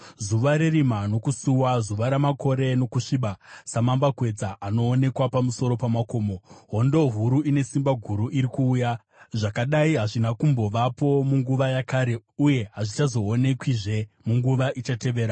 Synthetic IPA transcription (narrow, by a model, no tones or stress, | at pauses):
zuʋaɾerimano̞kusuwazuʋaɾamakʰo̞ɾe̞no̞kuʂiːɓasamambakwe̞d͡zaʔano̞ːne̞kwapamuso̞ɾo̞pamako̞ːmo̞ɦo̞ndo̞ɦuɾuine̞simbaɡʱuɾuʔiɾikuːja | ʐakaɗaiɦaʐinakumbo̞ʋapo̞muŋɡuʋajakaɾe̞uje̞ɦaʐit͡ʃazo̞ːne̞kwiʐe̞ | muŋɡuʋaʔit͡ʃate̞ʋeːɾa